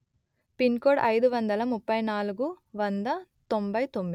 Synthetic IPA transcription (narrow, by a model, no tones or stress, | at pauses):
pinkoːɽɐjd̪uʋɐnd̪ɐlɐmupːɐjnaːluɡuʋɐnd̪ɐt̪ombɐjt̪o̞mːi